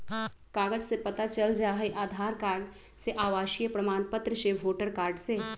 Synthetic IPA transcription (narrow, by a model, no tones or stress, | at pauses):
kaːɡəd͡ʒsepɐt̪at͡ʃəld͡ʒaːɦeʔaːd̪ʱaːɾkaːɾɖ | seʔaːʋaːʃijəpɾəmaːnpət̪ɾəʃeːbʋoːʈəɾkaːɾɖseː